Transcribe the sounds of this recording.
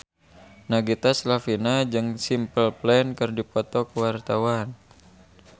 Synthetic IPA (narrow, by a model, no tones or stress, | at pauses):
naɡit̪aslafinad͡ʒɨŋsimpəlplɛnkɨrdipɔt̪ɔkəwart̪awan